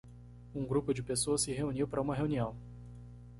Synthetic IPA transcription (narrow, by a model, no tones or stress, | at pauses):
ũŋɡɾupʊd͡ʒɪpesoɐsɪɦeuniwpaɾɐũmɐɦeũniɐ̃w̃